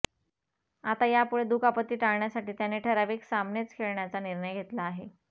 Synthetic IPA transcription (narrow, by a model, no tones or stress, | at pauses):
at̪ajapuɭed̪uːkapət̪ːiːʈaɭɳjasaʈiːt̪janeʈʰəɾaʋiːksamnet͡skʰeɭɳjat͡saniɾɳəjɡʱet̪laːɦe